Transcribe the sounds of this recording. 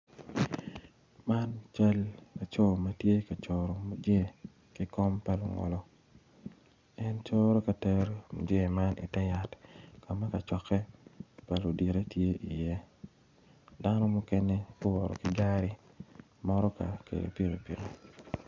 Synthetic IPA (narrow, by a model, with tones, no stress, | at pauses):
ma˦nt͡ʃa˦lla˨t͡ʃo˦˨ma˨tje˦ka˨t͡ʃo˨ɾo˨mo˨d͡ʒe˦˨ | kɪ˦kɔ˦mpa˨lo̰˨ŋɔ̰˨lɔ˦ | ɛ˦nt͡ʃo˦ɾo˦ka˨tɛ˦ɾmo̰˨d͡ʒe˦˨ma˦nʔḭ˨tɛ˦ja˨tka˨ma˦ka˨t͡ʃɔ˨kɛ˦pa˨lo˨di˨ɾe˦tje˦ʔi˨je˦ | da˦nɔ˦mʊ˦ke˦ne˦ɡʊ˦wɔ˨ɾɔ̰˨kɪ˨ɡa˦ɾi˦ | mɔ˦ɾɔ˦ka̰˨kʰḛ˨do̰˨pi˦ɾo˨pḛ˨ɾo˨